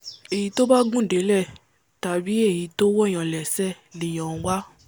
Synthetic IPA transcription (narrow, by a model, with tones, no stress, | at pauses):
e˨ji˨˦to˦ba˦ɡũ˦˨de˨˦lɛ˦˨ | ta˨bi˨˦e˦˨ji˨˦to˦wɔ˦˨j̃ã˨lɛ˨sɛ˦˨ | le˨j̃ɔ̃˨˧˦wa˦